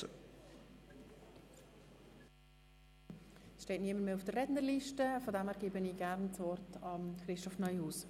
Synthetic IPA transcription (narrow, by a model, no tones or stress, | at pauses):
sʃteːtniəməɾmeːufd̥ərːɛdnəɾliʃtəfɔdæmæɾɡiːbəniːɡ̥æɾnt͡sʋɔɾtɑmχɾɪstɔfnœʏhuːs